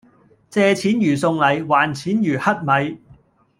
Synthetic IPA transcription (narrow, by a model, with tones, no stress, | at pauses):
t͡sɛː˧t͡sʰiː˨˥njyː˨˩sʊ˧ŋlɐ˨˩jwaː˨˩nt͡sʰiː˨˥njyː˨˩hɐ˥t̚mɐ˨˧j